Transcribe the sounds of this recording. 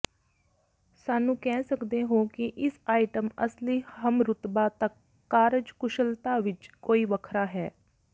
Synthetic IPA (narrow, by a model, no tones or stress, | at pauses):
saːnũːkɛːsəkd̪eːɦõːkɪʔɪsaːɪʈəmə̰sliːhəmɾʊt̪baːt̪əkː | aːɾəd͡ʒkʊʃəlt̪aːʋɪt͡ʃkoːiːʋəkʰɾaːɦɛː